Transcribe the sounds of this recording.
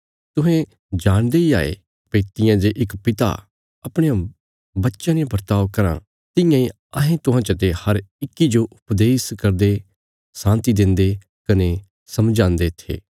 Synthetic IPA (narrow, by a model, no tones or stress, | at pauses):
t̪ʊɦɛ̃ | d͡ʒaːɽ̃d̪eia̰ːḛ | peːt̪ɪjãd͡ʒeʔɪkpɪt̪a̰ | ɐpɽ̃ejã | bɐtːʃãnebɐɾt̪aːʋkɐɾã̰ | t̪ɪ̃jãĩ | ɐɦẽt̪ʊɦãːt͡ʃət̪̬ehɐɾɪkːid͡ʒoʔʊpd̪eːskɐɾd̪e | sãːnt̪id̪ɪ̃nd̪e | kɐne | sɐmd͡ʒãːnd̪et̪ʰḛː